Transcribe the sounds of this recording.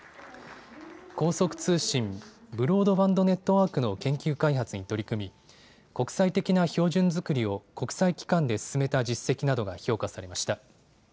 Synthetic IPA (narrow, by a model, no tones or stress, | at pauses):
ko̞ːso̞kɯ̟̥t͡sɨːɕĩmbɯ̟ɾo̞ːd̪o̞bãnd̪o̞ne̞t̪ːo̞βaːkɯ̟no̞kẽ̞ŋkʲɨːkaiɦat͡sɨɲ̟it̪o̞ɾʲikɯ̟mʲi | ko̞kɯ̟̥sait̪e̞kʲinaço̞ːʑɨ̃nzɨkɯ̟ɾʲio̞ko̞kɯ̟̥saikʲi̥kãnd̪e̞sɨ̥sɨme̞t̪ad͡ʑisːe̞kʲinad̪o̞ɡaço̞ːkasaɾe̞maɕi̥t̪a